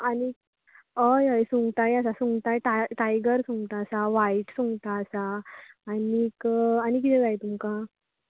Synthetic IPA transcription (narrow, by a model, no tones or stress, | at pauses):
ani | əjəjsuŋɡt̪ajasasuŋɡt̪ajʈaʈajɡəɾsũŋɡt̪aːsaʋaiʈsuŋɡt̪aːsaː | nikanik̬it̪ɛd͡zajt̪umka